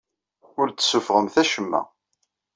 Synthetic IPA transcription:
ʊɾt͡sːsufʁəmθæʃəmːæ̰

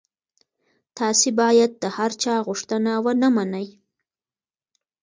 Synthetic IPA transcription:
t̪ɑsebɑjad̪̚ːəhaɾt͡ʃɑɣʊʂt̪ənawənamanaj

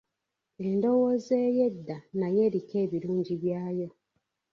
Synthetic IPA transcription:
e̞ndo̞woze̞ːje̞dːanaje̞ɾike̞ːβiɾuːɲɟiβjaːjo

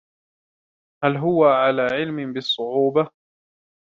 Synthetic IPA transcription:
halɦʊwaʕalaːʕɪlmɪbɪsˤːʊʕuːba

